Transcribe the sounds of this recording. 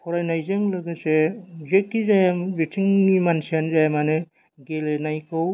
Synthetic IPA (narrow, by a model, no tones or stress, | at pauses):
pʰɔɾajnajzɯŋlɯɡɯsezekːizajambitʰiŋnimansijanzajamanɯ | ɡelenajkʰɯw